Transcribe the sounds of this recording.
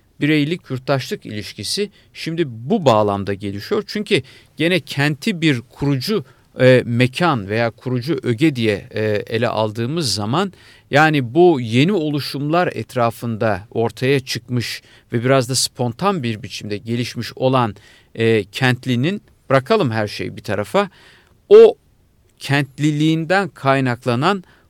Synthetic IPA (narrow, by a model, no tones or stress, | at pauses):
biɾejilʲicʰjuɾt̪lˠaʃlˠɯkḭlʲiʃcʰisi | ʃimd̪ibubaːlˠamd̪aɟe̞lʲiʃijo̞ɾt͡ʃʰyɲcʰi | ɟ̥e̞nɛcʰænt̪ʰibiɾkʰuɾud͡ʒu | mecʰanve̞jaːkʰuɾud͡ʒuʔø̞ɟɛd̪ijɛḛlʲɛ̰ʔa̰lˠd̪ɯːmɯzːaman | jaːnibuje̞nio̞lˠuʃumlˠaɾɛ̰t̪ɾaːfɯnd̪ao̞ɾt̪ʰajat͡ʃʰɯkmɯʃ | vɛbiɾazd̪aspʰo̞nt̪ʰanbiɾbit͡ʃʰimd̪ɛɟe̞lʲiʃmiʃo̞lˠanː | cʰɛnt̪lʲinin | b̥ɾakʰalˠɯmɦæɾʃḛjbit̪ʰaɾafa | o | cʰɛnt̪lʲilʲiːnd̪ænkʰajnaklˠanan